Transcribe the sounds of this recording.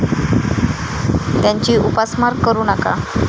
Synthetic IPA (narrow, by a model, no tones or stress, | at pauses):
d̥aɲt͡ʃiʔupasmarkəɾunaka̰